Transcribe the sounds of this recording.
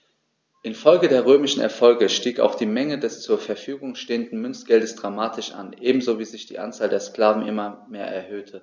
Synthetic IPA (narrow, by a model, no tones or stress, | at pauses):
ʔɪnfɔlɡədeːɐʁøːmɪʃn̩ɛ̰ɐfɔlɡəʃtiːka̰ʊxd̥iːmɛŋədɛst͡suːɐfɛɐfyːɡʊŋʃteːəndn̩mʏnsɡ̥ɛldəsd̥ʁamaːtʰɪʃʔa̰nʔeːbm̩zoːviːzɪçd̥ḭːʔa̰nt͡saːldeːɐskl̥aːvn̩ʔɪmɐmeːɐʔɛɐhøːtʰə